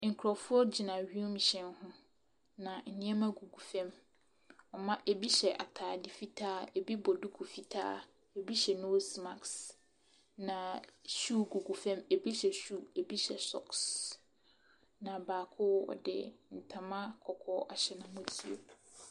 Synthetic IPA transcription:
ŋ̩˨kʰɾɔ˨fʊ˦ɔ˦d͡ʑi˨nã˨ɥu˦m˨ɕɛ̃˦nhʊ̃˦ | nã˨n̩˨nĩ˦ɛ˦mã˦ɡu˨ɡu˨fɛ̃˦m | ɔ˨mã˦ʔe˨bi˦ɕɛ˨ʔa̰˨tʰaː˨di˨fi˦tʰaː˦e˨bi˦bɔ˨du˦kʰu˨fi˦tʰa̰ː˦ | e˨bi˦ɕɛ˨no˦sma˨ks | nã˨ɕuː˦˨ɡu˨ɡu˨fɛ̃˦me˨bi˦ɕɛ˨ɕu˦˨e˨bi˦ɕɛ˨sɔ̰˦ks | nã˨baː˨kʰʊ˦ɔ̰˨dɪ̰˦n̩˨tʰã˨mã˦kʰɔ˨kʰɔ˦a˨ɕɛ˨nʊ̃˦mʊ̃˦tʰi˨o̰˨

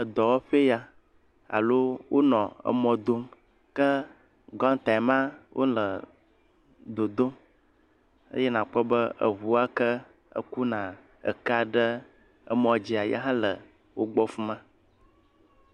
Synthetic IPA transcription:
ə˨d̪ɔ˨wɔ˦ɸe˦ja˦ | a̰˨lo˦wʔo˦nɔ̃˨ə̰˨mɔ̃˨d̪o˦m | kə˦ | ɡɔ̃˦ŋ˦t̪a˨ɛ˨mã˦wʔo̰˦lə˨ | d̪o˨d̪o˦m | ə̰˦jɛ˦nã˨k͡pɔ˦bə˦ə̰˨βu˨a˦kə˦ | ə̰˦ku˦nã˨ | ə̰˨ka˨ɖə˦ | ə̰˨mɔ̃˨d͡ʑi˨a˨jɛ̰˦ɦã˦lə˨ | wo˦ɡ͡bɔ˦fu˦mã˦

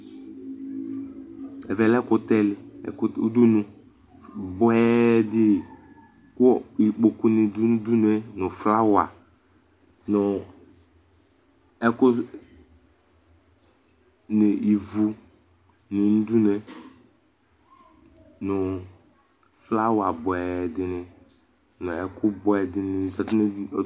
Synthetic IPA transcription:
ɛ˨vɛ˨lɛ˦kʊ˦tɛ˦lɪ̰˦˨ku˦du˦nũ˨ | bʊ˦ɛ˦dɪ˦˨ | kʊ˦ɔ˦i˨k͡po˨ku˦nɪ˨du˦n̩˦du˦nɛ˨nʊ˨fla˦wa̰˨ | nʊ˨ | ɛ˦kʊ˦ | nɪ˨i˨vu˨ | nɪ˨n̩˦du˦ne˨ | nʊ˨ | fla˦wa˨bʊ˨ɛ˨dɪ˨nɪ˨ | nʊ˨ɛ˨kʊ˦bɔ˨˦ɛ˨dɪ˦nɪ˨ɔ˨tn˦˨

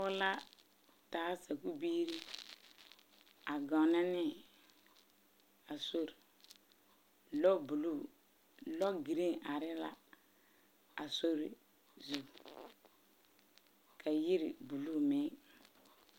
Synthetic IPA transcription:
ʊ˦la˦ | taː˨˦sa˨ku˦biː˦ɾi˦ | a˨ɡa˨na˦ni˦ | a˨so˦ɾ | lo˦bu˨lu˦˨ | lɔ˦ɡi˨ɾi˦ŋʔa˨ɾɪ˦la̰˦ | a˨so˦ɾ | zu˨ | kʰa˨ji˦ɾḭ˨bu˨lu˦˨me˨˦

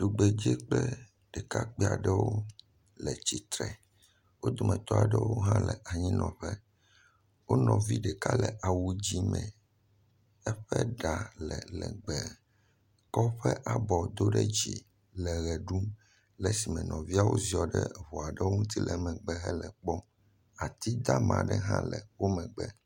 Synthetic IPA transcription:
ɖu˨ɡ͡bɛ˨d͡ʑɛ˦k͡plɛ˦ | ɖ̥ɛ˨ka˦k͡pi˦a̰˨ɖɛ˦wo˦ | lɛ˨t͡ɕi˨t̪ɾɛ˨ | wo˦d̪o˨mɛ̃˨t̪ɔ˦a˨ɖɛ˦wo˦ɦã˦lɛ˨ʔa˨ɲĩ˦nɔ̃˨ɸɛ˦ | wo˦nɔ̃˨vi˦ɖɛ˨ka˦lɛ˨ʔa˨wu˨d͡ʑi˦mɛ̃˨ | ɛ˦ɸɛ˦ɖa˨lɛ˨lɛ̰˨ɡ͡bɛ˨ | kɔ˦ɸɛ˦ʔa˨bɔ˨d̪o˦ɖɛ˦d͡ʑḭ˨ | lɛ˨ɣɛ˨ɖu˦m | lɛ˨si˨mɛ̃˨nɔ̃˨vi˦a˦wo˦zi˦ɔ˨ɖɛ˦βɔ˨a˨ɖɛ˦wo˦ŋũ˦t̪i˦lɛ˨mɛ̃˨ɡ͡bɛ˨ɦɛ˦lɛ˨k͡pɔ˦ | a˨t̪i˦d̪a˦mã̰˨ɖɛ˦ɦã̰˦lɛ˨wo˦mɛ̃˨ɡ͡bɛ˦

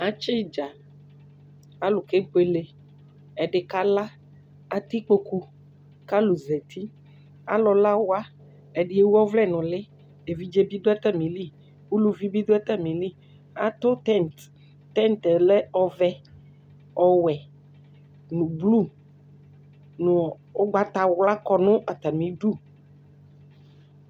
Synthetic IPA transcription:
a˦t͡ʃe˦d͡ʒa˨ | a˦lu˨ke˦ɡ͡be˦le˦ | ɛ˨ɖe˨ka˦la˦ | a˦t̪i˦k͡po˦ku˦ | ka˦lu˨zɛ˨t̪ʰi˦ | a̰˦lɔ˨la˦wo˦a˦ | e˨ɖe˨˦e˦wɔ˦vlɛ˦˨nɔ̃˨le˦ | e˨vi˦d͡ʒe˦bi˦do˦ɛ˦t̪ɛ˦mĩ˨li˦ | wu˦lu˦vi˦bi˦d̪o˦ɛ˦t̪a˦mĩ˨li˦ | a̰˦t̪o˦t̪ɛ˦˨nt̪ | t̪ɛ˦nt̪ɛ˨lɛ˦ɔ˨vɛ˦ | ɔ˨wɛ˨ | nũ˨blu˦˨ | nʊ̃˨ | o˦ɡ͡ba˦t̪a˨wla˦kɔ˦nʊ̃˦ʔa˨t̪a˨mĩ˨˦ɖu˦˨

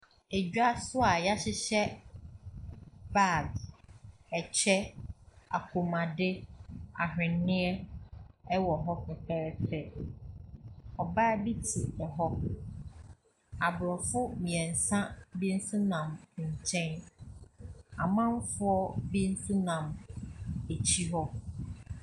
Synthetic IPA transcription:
e˨d͡ʑᶣa˦sʊ˦a˨ja˦ɕɪ˦ɕɛ˦ | ba˦˨ɡ | ɛ˨t͡ɕʰᶣɛ˦a̰˨kʰu˨mã˨dɪ˦a̰˨ɦᶣɪ̃˨nːɪ̃˦ɛ˦ | ɛ˦wɔ˨ɦɔ˦kʊ˨pʰɛ˦ɾɛ˦pɛ˦ | ɔ˨ba˦˨bi˦tʰi˨ɛ˨ɦɔ˦ | a˨bɾɔ˨fʊ˦mĩ˨ɛ̃˨n̩˨sã˦bi˦n̩˦sʊ̃˦nã˨m˨ɲ̩˨t͡ɕʰɛ̃˦n | a˨mã˦m˦fʊ˦ɔ˦bĩ˦n̩˦sũ˦nã˨m | e˨t͡ɕʰi˦ɦɔ˦

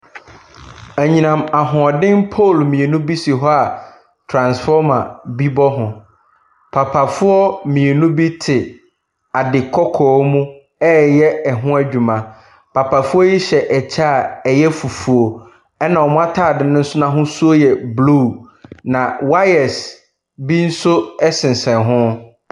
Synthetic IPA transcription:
æ˨ɲĩ˨nã˨ma˨ɦʊ̃˨ɔ˨dɪ̃˦npʰo˦˨lmĩ˨e˨nũ˦bi˦si˨ɦɔ˦a˨ | tʰɾã˨nsfɔ˦mã˨bi˦bɔ˦ɦʊ̃˨ | pʰa˨pʰa˨fʊ˦ɔ˦mĩ˨e˨nũ˦bi˦tʰɪ˨ | a˨dɪ˨kʰɔ˦kʰɔː˨˦mũ˦ | ɛː˦jɛ˦ɛ˨ɦʊ̃˦æ˦d͡ʑᶣu˨mã˨ | pʰa˨pʰa˨fʊ˦ɔ˦ji˦ɕɛ˨ʔɛ˨t͡ɕʰa˦˨ɛ˨jɛ˦fu˨fu˨o˨ | ɛ˦nã˨wɔ˨mʊ̃˦a˦tʰaː˦˨dɪ˨nʊ̃˦n̩˦sʊ˦nã˦ɦʊ̃˦su˦o˦jɛ˨blu˦˨ | nã˨wa˦ɛ˨s | bi˦n̩˦sʊ˦ɛ˦sɪ̃˨n̩˨sɛ̃˨nɦʊ̃˦

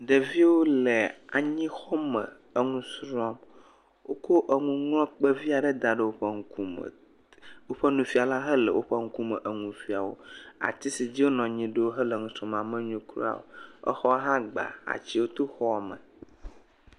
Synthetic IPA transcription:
ɖə˨vi˦wo˦lə˨a˨ɲĩ˦xɔ˦mə̰̃˨ | ə˨ŋũ˦sɾɔ˦m | wo˦ko˦ʔə˨ŋũ˦ŋlɔ̃˦k͡pə˦vi˦a˨ɖə˦d̪a˨ɖə˦wo˦ɸə˦ŋu˦ku˦m̰˨ | wo˦ɸə˦nũ˨fi˦a˨la˦ɦə˦lə̰˨wʔo˦ɸə˦ŋ̩˦ku˦mə˨ʔə˨ŋũ˨fi˨˦a˨wo̰˦a̰˨t̪i˦si˨d͡ʑi˦wo˦nɔ̃˨ɲĩ˦ɖə˦wo˦ɦə˦lə˨ŋũ˨sɾɔ˦ma˨mə̃˦ɲũ˦kɾṵ˦a̰˨wo̰˨ə̰˦xɔ˦ɦã˦ɡ͡ba̰˨a̰˨t͡ɕi˦wo˦t̪o˦xɔ˦˨mə̰̃˨

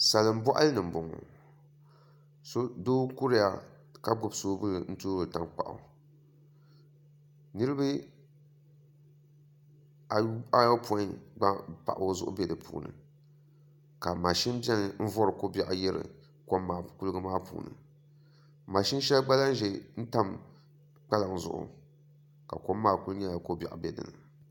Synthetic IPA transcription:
sa˨lɨ˨m̩˦bɔ˦ʔa̰˦lɨ˦nɨ˨m̩˨bʊ˨ŋɔ̰˨ | so˦doː˦ku˦ɾɨ˦ja̰˨ | ka˦ɡ͡bʊ˦˨bsoː˦bɨ˦lɨ˨n̩˦toː˦ɾɨ˨ta˨ŋk͡pa̰˨ʔʊ̰˨ | nɨ˦ɾɨ˦bɨ˦ | a˨˦a˦jɔ˦pɔ˦ɡ͡ba˦pa̰˨ʔo˦zʊ̰˦ʔʊ̰˦be˦dɨ˨pʰṵː˨nɨ̰˨ | ka˨ma˨ʃi˦mbɛ˦nɨ˨m̩˦vɔ˦ɾɨ˨ko˦ba˦˨ʔjɛ˦ɾɨ̰˨ | ko˦mːaː˦˨ku˦lɡɨ˦maː˦pṵː˨nɨ̰˨ | ma˨ʃɪ˦n˦ʃɛ˦lɡ͡ba˦la˦n˦ʒɛ˨n̩˦ta˦m | k͡pa˦la˨ŋ˨zʊ̰˨ʔʊ̰˨ | ka̰˨ko˦mːaː˦˨ku˦lɲɛ˦la˨ko˦bɛ̰˨ʔbɛ˦dɨ̰˨nɨ˨

